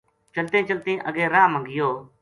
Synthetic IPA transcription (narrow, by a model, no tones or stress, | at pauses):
t͡ʃəlt̪ẽːt͡ʃəlt̪ẽːʔəɠẽːɾaːmə̃ɡɪjoː